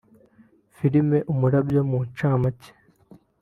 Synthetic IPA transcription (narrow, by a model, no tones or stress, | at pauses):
fiɾime̞ʔumuɾabjomunt͡ʃaːmace̥